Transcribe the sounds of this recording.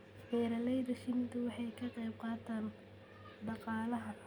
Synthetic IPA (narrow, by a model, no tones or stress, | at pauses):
ħɛːɾɐlɛjðɐʃɪnt̪ʰʊwɑħɑjkʰɐqɛjb̚qɑːt̪ʰaːn | ɖɑqɑːlɐɦɐ